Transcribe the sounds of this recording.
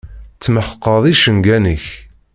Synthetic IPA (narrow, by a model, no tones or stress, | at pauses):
t͡sːməħə̥qːəðˤiʃənɡænəç